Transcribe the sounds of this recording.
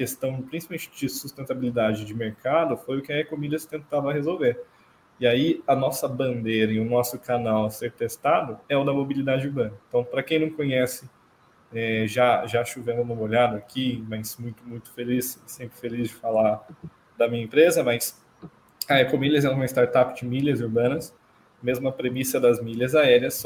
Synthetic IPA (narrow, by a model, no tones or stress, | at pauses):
kest̪ɐ̃w̃pɾĩsi̥pawmẽt͡ʃɪd͡ʒɪsust̪ẽnt̪abilid̪ad͡ʒɪd͡ʒɪmeɾkad̪ʊfojʊkɪɐɛkomid̪ɐst̪ẽnt̪avʊɐɦezowveɾ | iaiɐnɔsɐbɐ̃nd̪ejɾɐĩʊnɔsʊkanawɐseɾt̪est̪ad̪ʊɛʊd̪ɐmobilid̪ad͡ʒɪuɾbɐ̃nɐẽnt̪ɐ̃w̃pɾɐkẽj̃nɐ̃w̃kõɲɛsɪ | ɛʒaʒaʃuvẽmʊmũmoʎad̪ʊakʰimɐjzmũj̃t̪ʊmũj̃t̪ʊ̥felissẽmpɾɪfelizd͡ʒɪfala | d̪ɐmĩɲɐẽmpɾezɐmɐjs | aɛkõmilɐzɛ̃ũm̃ɐɪst̪aɾt̪apɪd͡ʒɪmiʎɐzuɾbɐ̃nɐs | mezmʊɐpɾemisɐd̪ɐzmilɐzaɛɾiɐs